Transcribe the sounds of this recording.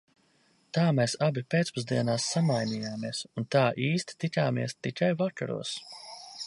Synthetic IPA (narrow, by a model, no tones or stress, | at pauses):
t̪aːmɛːsabipet̪spuzd̪iɛnaːsːamajniːjaːmiɛsunt̪aːʔiːst̪i̥t̪ikaːmiɛst̪ikajvaka̰ɾṵɔs